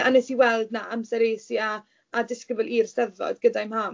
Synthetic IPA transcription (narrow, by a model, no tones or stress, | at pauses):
anɛsiwɛlˠdnaamsɛɾeːsiaː | dɪskəbəlˠiːrsɛvɔ̰dɡədajmham